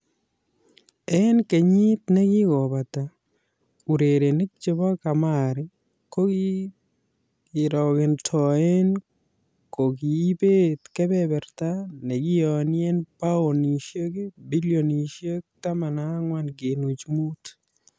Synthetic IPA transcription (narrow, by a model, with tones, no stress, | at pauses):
ɛ˦nke˨ɲi˦t̪nɛ˦ɡɪ˦ɡɔ˨ba˨ta˨ | u˨ɾe˨ɾe˨ne˦k̚t͡ʃe˦ba˦ka˨ma˦˨ɾe˦ | ko˦ɡi | ɪ˨ɾɔ˨kɪ˨ntʰɔ˨ɛ˦n | ko˨ɡiː˨˦be˦t̪kɛ˦bɛ˦bɛ˨ɾt̪a˦ne˨ɡɪ˦ɔ˨nɪ˦ɛ˦npa˦o˨ni˨ʃe˦ke˦bi˦ljo˨ni˨ʃje˦k̚ta˦ma˨na˨˦ŋwa˦nɡe˨nu˨t͡ʃmu˦t